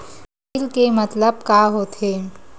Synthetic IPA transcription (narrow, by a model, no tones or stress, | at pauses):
lkemɐt̪ləb̚kaɦoːt̪ɦeː